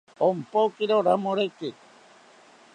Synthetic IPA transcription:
ompokiɾoɾamoɾeki

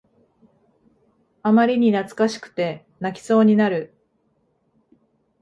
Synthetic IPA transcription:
amaɾʲiɲ̟inat͡sɨ̥kaɕi̥kɯ̥t̪e̞ | nakʲi̥so̞ːɲ̟inaɾɯ̟

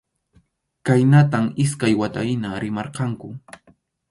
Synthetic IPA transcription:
kajnat̪amɪskajwat̪ajɪnaɾɪmɑɾqɑŋkʊ

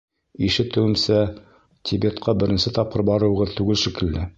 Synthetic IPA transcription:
iʃɘt̪ɘ̆wɘ̆msæ | t̪ʲʰibet̪qʰɑbɘ̆ɾɘ̆nsɘt̪ɑp̚qɤɾbɑɾɤ̆wɤ̆ʁɤðt̪ʉɡɘlʃikɘ̆ld̪ɘ

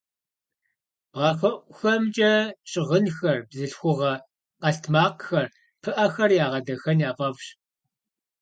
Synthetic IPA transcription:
ʁɐfɐʔʷxɐmt͡ʃʼɐɕʼɪʁənxɐrbzɨɬxʷʊʁɐ | qɐɬtʰmaːqxɐr | pʰɨʔɐxɐrjaːʁɐdɐxɐnjaːpʼɐpɕ

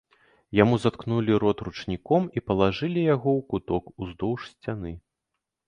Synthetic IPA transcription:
jamuzat̪knulʲiɾɔt̪rut͡ʂnʲikɔmipɐlˠaʐɨlʲijaɣɔwkut̪ɔkuzd̪ɔwʂsʲt͡sʲanɨ

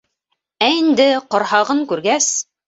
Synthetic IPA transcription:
æind̪ɘqŏɾhɑʁɤŋkʉɾɡæs

